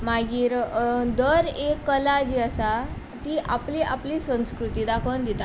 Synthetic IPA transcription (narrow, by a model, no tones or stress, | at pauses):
maɡiːɾd̪əɾekːəlad͡ʑiəsa | t̪iːʔapliʔapliːsə̃ñskɾut̪iːd̪akʰənd̪it̪a